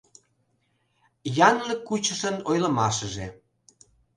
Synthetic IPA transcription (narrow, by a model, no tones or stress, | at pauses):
jɑnləkːut͡ɕəʃənojlə̆mɑʃəʒḛ